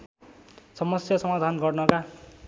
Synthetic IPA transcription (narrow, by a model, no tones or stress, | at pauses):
sʌmʌsjʌsʌmad̪ʱanɡʌrnʌka